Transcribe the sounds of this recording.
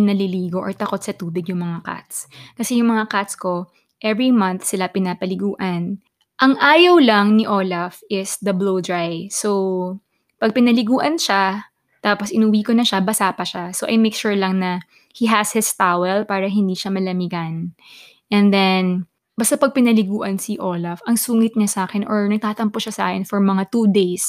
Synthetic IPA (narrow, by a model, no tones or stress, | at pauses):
nɐlɪliːɡo̞ʔɔɹt̪ɐkot̪̚sɐt̪uːbɪɡjʊŋmɐŋaka̰t̪skɐsɛjʊŋmɐŋakat̪sko̞ | ʔɛvɹimɐnθsɪlapɪnaːpɐlɪɡuːʔɐn | ʔɐŋʔaːjɐwlɐŋnɪʔoːlɐfʔɪsd̪ɐblowd̪ɹajso | pɐɡ̚pɪnɐlɪɡuːʔɐnʃa | t̪aːposɪnʊwiːkonɐʃabɐsaːpɐʃasoːʔɐ̰jmejkʃuɹlɐŋnɐ | hiɦɐshɪst̪awɛlpaːɾɐɦɪnd̪iːʃamɐlɐmɪɡɐn | ʔɛ̃nd̪ɛn | bɐst̪apɐɡ̚pɪnɐlɪɡuːʔɐnsiʔoːlɐfɐŋsuːŋɪt̪̚ɲasaːkɛnʔɔɹnɐɡ̚t̪aːt̪ɐmpoʃasʔa̰ːkɛnfɔɹmɐŋat̪uːd̪ejs